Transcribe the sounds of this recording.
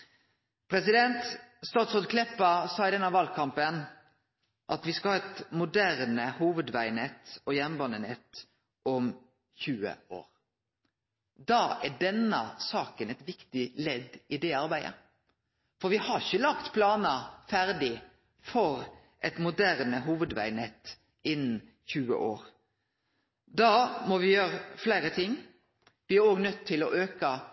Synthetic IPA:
pʰɾɛsɪd̪ɛnt̪st̪ɑːt̪sɔd̪kʰlɛpːəsɑːɪd̪ɛnːɑʋɑlkʰɑmpən | ʔɑt̪ʋɪskɑhɑːɛt̪mʊd̪æɾnəhuːʋəd̪ʋæɪnɛt̪ːɔjɛnbɑnːənɛt̪ | ɔm | çʉːə̰o̰ːɾ | d̪ɑːæɖɛnːə̰sɑːkənɛt̪ʋɪkt̪ɪlɛd̪ɪd̪ɛɑɾbæɪə̰ | fɔɾʋɪhɑçəlɑkt̪pʰlɑːnəfæɾd̪ɪ | fɔɾ | ʔɛt̪mʊd̪æɾnəɦuːʋəd̪ʋæ̰ɪnɛt̪ː | ɪnːn̩ | çʉːə̰ʔoːɾ | d̪ɑːmɔʋɪjøːɾəflæɪɾət̪ʰɪŋː | ʋɪæɾoːɡnœt̪ʰːɪlɔʔøːkə

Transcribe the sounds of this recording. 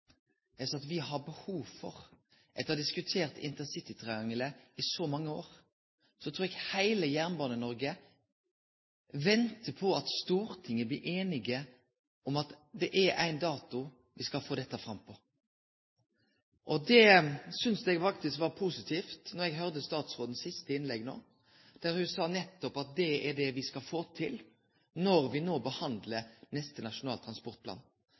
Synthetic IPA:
ɛsɑt̪ʋɪhɑbəhuːʋfɔ̰ʁ | ʔɛt̪ːɑd̪ɪskʉt̪ʰeːʁt̪ɪ̰nt̪ənsɪt̪ɪt̪ʰʁɛɡɑŋələɪsɔmɑŋːəoːɾ | sɔɛt̪ʰɾuːɾɛɡhæɪləjæʁnbɑːnənɔɾɡə | ʋɛnt̪əpʰɔɑt̪st̪uːɾt̪ʰɪŋːəblɪʔeːnɪɡə | ɔmɑt̪d̪ɛʔææ̰ɪnd̪ɑːt̪ʊ | ʋɪskɑlfoːd̪ɛt̪ːəfɾɑmpʰɔ | ʔɔd̪ɛsʏnsd̪ɛɡfɑk̚t̪ɪskʋɑːɾpʰusɪt̪ʰiːft̪nɔɾɛɡɦœʁd̪əst̪ɑːt̪sʁoːd̪n̩sɪst̪əɪnlɛɡno̰ː | d̪̥æɾhʉsɑːnɛt̪ːɔpɑt̪̚d̪ɛɛɖɛʋɪskɑlfoːt̪ʰɪl | nɔɾʋɪnoːbəhɑnd̪lənɛst̪ənɑʂʊnɑːlt̪ʰɾɑnspɔʁt̪̚pʰlɑ̰ːn

